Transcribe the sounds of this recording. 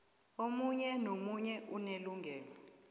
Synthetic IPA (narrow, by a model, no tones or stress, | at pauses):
omuɲɛnomuɲɛʔuneluŋʱɛːlɔ